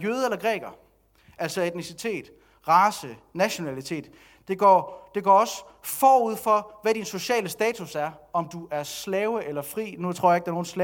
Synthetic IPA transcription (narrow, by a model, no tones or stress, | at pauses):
jøːðˠelɐɡ̥ʁɛ̰ːɡ̥ɐ | ʔæl̰sɒ̽e̝d̥nisit͡sʰe̝̰ːd̥ | ʁɑ̈ːsənæɕo̝nælit͡sʰe̝̰ːd̥ | d̥e̝ɡ̥ɒ̰ːd̥e̝ɡ̥ɒ̰ːɒ̽s | fɒːuð̞̰ˠfɒ̽ʋædinso̝ɕɛ̰ːləsd̥ɛːt͡sʰusæɐɒ̽md̥uʔæɐslɛʊəʔelɐfʁḭːnut͡sʰʁo̝ɐ̰jeɡ̥̚d̥æɐno̝ːn̩slɛ